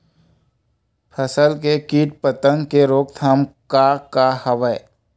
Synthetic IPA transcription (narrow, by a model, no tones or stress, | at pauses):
pʰəsəlkekiːʈ̚pət̪ə̃ŋkeɾoːk̚t̪ʰaːmkakahəʋə